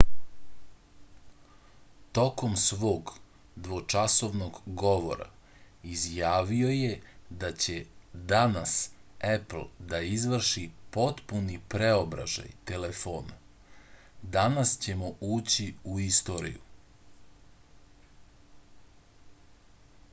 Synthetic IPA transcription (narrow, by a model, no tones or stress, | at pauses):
t̪o̞ko̞msʋo̞ːɡ | d̪ʋo̞t͡ʃaso̞ʋnoɡɡo̞ʋo̞̰ɾa̰ | izjaːʋio̞je̞d̪at͡ɕe̞d̪anasepl̩d̪aizʋr̩ʃipo̞t̪punipɾeo̞bɾa̰ʒa̰jt̪e̞le̞foːna | d̪anast͡ɕe̞moʔuːt͡ɕiuist̪o̞ɾḭjṵ